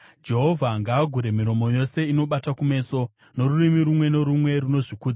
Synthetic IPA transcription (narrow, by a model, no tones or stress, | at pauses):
d͡ʒe̞ɦo̞vʱaŋɡaːɡʱuɾe̞miɾo̞mo̞jo̞se̞ino̞ɓatakume̞ːso̞ | no̞ɾurimiɾumwe̞no̞ɾumwe̞runo̞ʐikuːd͡za